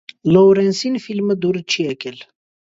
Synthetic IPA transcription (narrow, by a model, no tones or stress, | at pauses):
lowɾẽnsinfilməd̪uɾt͡ʃʰiɐkel